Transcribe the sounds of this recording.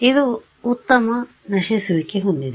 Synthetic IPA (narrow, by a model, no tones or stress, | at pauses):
id̪u | ut̪ːɐmɐ | nɐʃesuʋikːeɦuɳɖ̪id̪